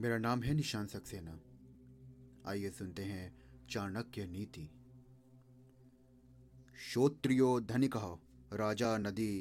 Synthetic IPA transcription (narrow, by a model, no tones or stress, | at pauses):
meːɾanaːmɦɛnɪʃãːnsɐkseːna | a̰ːjesʊnt̪eɦɛ̃t͡ʃaːɾnɐkjeniːt̪i | ʃoːt̪ɾijoːd̪ʱɐnɪkɐɦɐ | ɾaːd͡ʒaːnɐd̪i